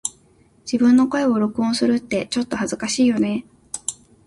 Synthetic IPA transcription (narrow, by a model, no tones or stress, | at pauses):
d͡ʑ̥ibɯ̟̃nːo̞ko̞e̞o̞ɾo̞kɯ̟õ̞ɰ̃sɨɾɯ̟t̪ːe̞t͡ɕo̞t̪ːo̞hazɨkaɕiːjo̞ne̞